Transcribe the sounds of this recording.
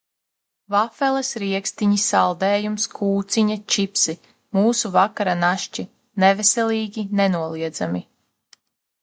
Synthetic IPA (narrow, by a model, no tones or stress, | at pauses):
vafɛlˠɛsɾiɛkst̪iɲisalˠd̪ɛːjumskʰuːt̪siɲat͡ʃipsi | muːsuvakaɾanaʃt͡ʃi | nɛvɛsʲɛlʲˠiːɡʲinenuɔlˠiɛd̪za̰mi